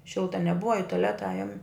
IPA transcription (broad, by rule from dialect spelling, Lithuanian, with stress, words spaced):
ˈʃʲɪlˠtɐ nʲɛˈbʊʋɐ ɪ tʊˈlʲæːtɐ ˈɑːjʊm